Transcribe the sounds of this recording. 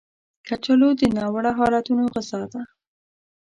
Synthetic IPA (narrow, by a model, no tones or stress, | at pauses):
kat͡ʃəlod̪ənɑwəɽaɦɑlat̪unoɣəzɑd̪a